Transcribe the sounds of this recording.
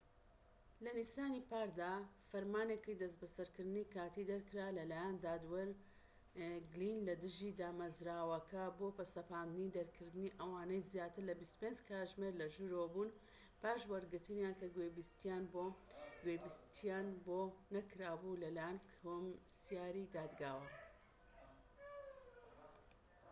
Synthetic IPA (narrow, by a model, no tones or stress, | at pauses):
lɐnisaːnipaːɾd̪aːfɐɾmaːnekijd̪ɐs̬bɐsɐɾkɨɾd̪ɨnikaːt̪id̪ɐɾkɨɾaːlɐlaːjand̪aːd̪wɐɾ | ɡlinlɐd̪ɨʒid̪aːmɐzɾaːwɐkɐbopɐsɐpaːnd̪ɨnid̪ɐɾkʰɨɾd̪ɨniʔɐwaːnɐjzjaːt̪ɨɾlɐbist̪u̥pend͡ʒkʰaːʒmeɾlɐʒuɾobuːn | paːʃwɐɾɡɨɾt̪ɨnjankɐɡwebist̪ijanboɡwebist̪ʰijaːnbonɐkɾaːbulɐlaːjankʰomsjaːɾid̪aːd̪ɡaːwɐ